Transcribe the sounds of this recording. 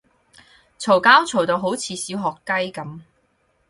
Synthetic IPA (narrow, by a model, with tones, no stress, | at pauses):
t͡sʰo˨˩wkaː˥wt͡sʰo˨˩wt̪o˧wɦo˨˥wt͡sʰiː˨˧siː˨˥wɦɔː˨˩kːɐ˥jkɐ˨˥m